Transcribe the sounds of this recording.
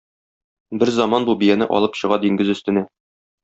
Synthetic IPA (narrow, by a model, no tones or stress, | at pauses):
bɘɾzɒmɑnbubijænɘʔɒ̰lˠɤpɕɤ̆ʁɑd̪iŋɡɘzɵ̆st̪ɘ̆næ